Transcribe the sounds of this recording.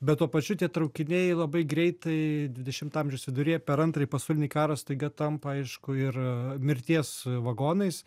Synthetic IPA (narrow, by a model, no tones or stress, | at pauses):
bʲɛt̪t̪ːuɔpɐt͡ʃʲʊt̪ʲiɛt̪ɾɐʊkʲɪnʲeɪlˠɐbɐɪɡɾʲɛɪt̪ɐɪd̪ʲʋʲɪd̪ʲɛʃʲɪmt̪ɐɑːmʲʒʲɛʊsʋʲɪd̪ʊɾʲeːjɛpʲɛɾɐnt̪ɾɐɪpɐsɑʊlʲɪnʲɪkɑːɾɐst̪ɐɪɡʲɐt̪ɐmpɐɐɪʃkʊɪrmʲɪɾʲt̪ʲiɛsʋɐɡoːnɐɪs